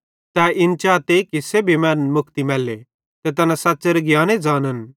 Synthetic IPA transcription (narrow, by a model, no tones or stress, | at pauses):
t̪ɛɪnt͡ʃaːt̪ekisebʱimɛːnmʊkʰt̪imɛːlːe | t̪ɛt̪ɐnãsaːtːseɾeɡjaːned͡zaːnɐn